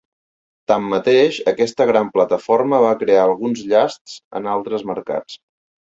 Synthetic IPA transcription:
t̪amːət̪eʃəkɛst̪əɣ̞ɾamplət̪əforməβ̞akɾeaəlˠɣunzʎast̪z̥ə̰nalˠt̪ɾəzməɾka̰t͡s

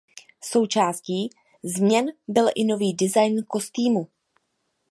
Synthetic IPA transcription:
so̞wt͡ʃaːsciː | zmɲɛnbɪlʔɪno̞viːdɪzajnko̞st̪iːmu

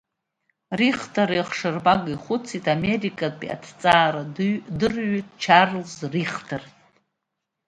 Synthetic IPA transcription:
riχtʰaɾiχʂɨrbaɡiχʷʊt͡sʰitʰʼamerikʼapʼḭa̰tʰt͡sʼaːɾadɨrɥitʰʼt͡ʃʰarlzriχtʰar

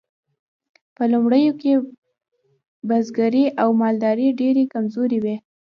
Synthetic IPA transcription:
pəlumɽəjoke | bazɡaɾiʔawmɑld̪ɑɾiɖeɾekamzoɾewe

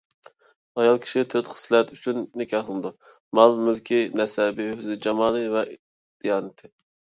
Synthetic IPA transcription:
ɑjɑlˠkʲʰi̥ʃit̪ʰøt̪χə̥slɛt̪yt͡ʃʰynːɪkʲɑχlˠɨnɨd̪u | mɑlˠmylkʲʰinɛsɛbɪhøzɪd͡ʒɑmɑːnɨvɛʔ | d̪̥ijɑːnɨt̪ʰɪ

